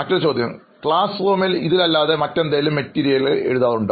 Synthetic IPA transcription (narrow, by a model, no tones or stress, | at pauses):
ɐtːot͡ɕo̞ːd̪ʱjɐ̰m | kɭaːsfoːmiliðilɐlːaːðemɐtːe̞nd̪ajlumːetːiːɾijɐjilḛɻuðaːðuɳɖ